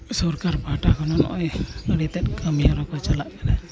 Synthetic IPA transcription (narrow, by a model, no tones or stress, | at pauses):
sɔɾkaɾbʱaʈakɔnɔnɔ̰ʔɔjəɽit̪ɛt̪̚kəmijaɾɔkɔt͡ʃɔlaʔkɛnɛ